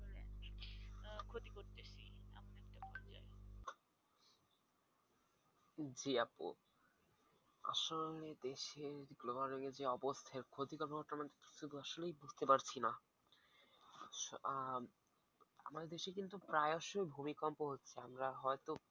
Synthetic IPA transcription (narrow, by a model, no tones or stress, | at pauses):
olḛ | kʰot̪ikoɾt̪eʃḭa̰mnɛk̚ʈapɔd͡ʑa̰e | d͡ʑiapo̰ | a̰ʃoled̪eʃeɾɡlobaɾiŋed͡ʑeɔbost̪ʰaaeɾkʰot̪ikɔɾpooɾʈ̪amant̪eiʃʰud̪ʱuaʃolejbud͡ʑʱt̪epaɾt͡ɕʰina | ʃa | a̰maɾd̪eʃekint̪upɾaeɔʃojbʱumikɔmpoɦotːɕʰeamɾaɦɔet̪o